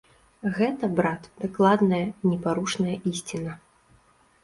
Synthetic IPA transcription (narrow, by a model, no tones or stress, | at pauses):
ɣɛt̪ɐbɾat̪d̪aklˠad̪nɐjɐnʲɛpaɾuʂnɐjɐʔisʲt͡sʲinɐ